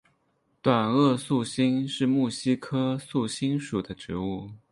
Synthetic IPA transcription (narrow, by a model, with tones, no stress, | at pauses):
t̪wa˨˩nɤ˥˧su˥˩ɕi˥ŋʂɻ̩˥˧mu˥˩ɕi˥kʰɤ˥su˥˩ɕi˥ŋʂu˨˩d̪ə˦ʈ͡ʂɻ̩˧˥u˥˩